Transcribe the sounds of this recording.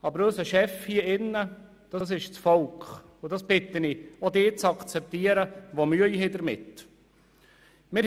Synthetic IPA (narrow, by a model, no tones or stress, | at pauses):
ɑbəɾœsəʃɛfhiəɪnːə | d̥ɑs̬ɪʃt͡sfɔlkχ | ʊd̥ɑsb̥ɪt̪ːəniod̪eːt͡sɑkt͡sɛp̚t̪iəɾəʋomyəiɦɪd̪əɾmɪt | mɪɾ